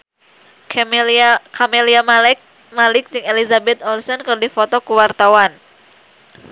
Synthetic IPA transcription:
kameliamlk̚ | malɪk̚d͡ʒɨŋelizabɛt̪̚ɔlsɔnkɨrdifɔt̪ɔkuwart̪awan

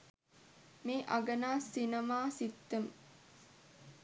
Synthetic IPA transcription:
meːʔaɡənaːsinɐmaːsit̪ːəm

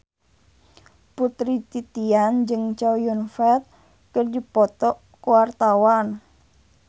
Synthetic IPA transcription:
put̪ɾit̪it̪iand͡ʒɨŋt͡ʃawjunfɛt̪̚ | kərdipɔt̪ɔʔ | kuwart̪awan

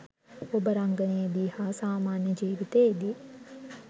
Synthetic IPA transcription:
obɐɾɐŋɡɐneːd̪iːhasaːmaːnjəd͡ʒiːʋit̪eːd̪i

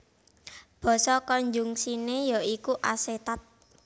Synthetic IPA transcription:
b̥ɔ̤sɔkɔɲd͡ʒuŋsinejɔikuʔaset̪at̪̚

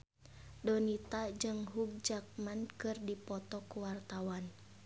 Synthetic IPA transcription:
dɔnit̪ad͡ʒɨŋɦuk̚d͡ʒak̚mankɨrdipɔt̪ɔkuwart̪awan

